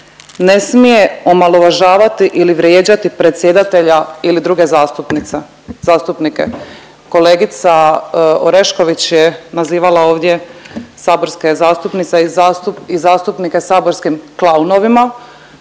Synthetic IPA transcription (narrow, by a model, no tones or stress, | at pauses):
ne̞smije̞o̞malˠoʋaʒaːʋat̪iʔiliʋɾjeːd͡ʑat̪ipɾe̞t̪sʲje̞d̪at̪e̞ʎailid̪ɾuːɡe̞zast̪upnit̪se | z̥aːst̪upnikḛ | ko̞leːɡit̪saoɾe̞ʃko̞ʋit͡ɕjenaziːʋalao̞ːʋd̪je̞saːbo̞ɾske̞zaːst̪upnit̪seizuizaːst̪upnike̞saːbo̞ɾskimklˠauno̞ʋima